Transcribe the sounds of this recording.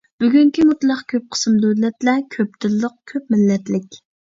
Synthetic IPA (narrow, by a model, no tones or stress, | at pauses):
b̥yɡʲyŋkʲimut̪lˠɑqkʲʰøp̚qʰə̥smd̪ølɛt̪lɛkʲʰøp̚t̪ʰɪlːəq̚kʲʰøp̚mɪlːɛt̪lɪkʲ